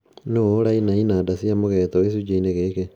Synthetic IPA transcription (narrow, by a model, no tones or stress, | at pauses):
nooɾainainadasiamoɣɛtɔesud͡ʒeineɣeke